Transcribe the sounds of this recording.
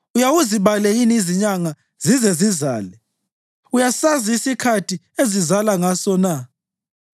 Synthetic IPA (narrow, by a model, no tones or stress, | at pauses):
ujawuziβalɛjiniziɲaŋa | zizɛziza̰ːlɛ | ujasaziisikʰatʰi | ezizalaŋasɔna